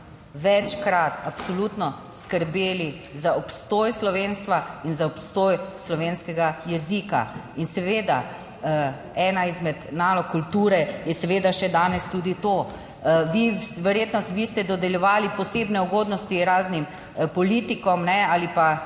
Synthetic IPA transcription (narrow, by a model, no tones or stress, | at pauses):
ʋɛt͡ʃkɾat̪apsɔlut̪nɔ | skəɾbeːli | zaɔpst̪oːjslɔʋeːnst̪ʋainzaɔpst̪oːjslɔʋeːnskɛɡajɛzika̰insɛʋeːd̪a̰ | ɛnaizmɛd̪naːlɔkːult̪uːɾɛjɛsɛʋeːd̪aʃɛd̪aːnɛst̪uːd̪it̪o | ʋiʋɛɾjet̪nɔst̪ʋist̪ɛd̪ɔd̪ɛljɛʋaːlipɔseːbnɛuɡoːd̪nɔst̪iɾaːznim | pɔliːt̪ikɔmnɛalipa